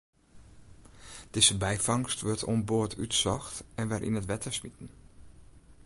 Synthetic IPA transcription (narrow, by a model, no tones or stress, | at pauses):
d̥ɪzəbɛjfɑŋstʋøɹtʰɔ̰mboːətʰytsɔxtɛnʋɛrʔḭnətʋɛtʰəsmitən̩